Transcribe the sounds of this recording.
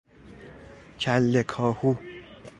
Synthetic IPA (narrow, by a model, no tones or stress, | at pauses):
cʰælːekʰɒːhu